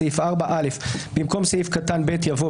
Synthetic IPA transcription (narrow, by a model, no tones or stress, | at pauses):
ifʔaʁbaʔalefbimko̞msejifkatanbetjavo